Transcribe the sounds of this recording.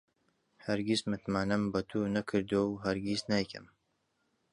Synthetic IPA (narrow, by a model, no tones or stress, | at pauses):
hɐɾɡismɨt̪maːnɨmbɐt̪ʰuːnɐkʰɨɾd̪owɦɐɾɡisnajkʰɨ̰m